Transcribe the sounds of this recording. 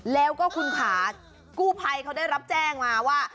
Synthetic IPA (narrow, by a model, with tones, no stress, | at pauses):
lɛː˦˥wkɔː˥˩kʰu˧nkʰaː˩˦ | kuː˥˩pʰa˧jkʰa˦˥wdaː˥˩jɾa˦˥p̚t͡ɕɛː˥˩ŋmaː˧waː˥˩